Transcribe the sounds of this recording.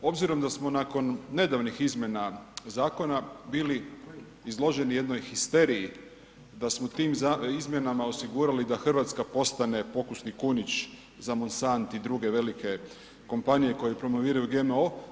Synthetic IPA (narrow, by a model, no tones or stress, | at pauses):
o̞bziɾo̞md̪asmo̞nako̞nːe̞d̪aʋnixizmʲje̞nazaːko̞nabiːli | izlˠo̞ʒe̞nije̞d̪no̞jxist̪e̞ɾiji | d̪asmot̪iːmzaizmje̞namao̞siɡuːɾalid̪axr̩ʋaːt̪skapo̞st̪ane̞po̞kusnikunit͡ɕ | zamonsant̪id̪ɾuɡe̞ʋe̞like̞ | ko̞mpanije̞ko̞jepɾo̞mo̞ʋiːɾajuɡe̞mo̞